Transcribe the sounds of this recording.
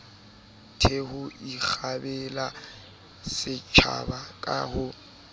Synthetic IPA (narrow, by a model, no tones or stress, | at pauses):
tʰehʊik͡xʰabɛla | sɪt͡ʃʰa̰bakʼahʊ